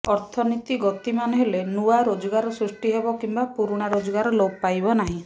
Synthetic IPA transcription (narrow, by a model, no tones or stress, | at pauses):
ɔɾt̪ʰɔnit̪iɡɔt̪imanɔɦelenuaɾod͡ʒɔɡaɾɔsɾusʈiɦebɔkimbapuɾuɽ̃aɾod͡ʒɔɡaɾɔlopajbɔnaɦĩ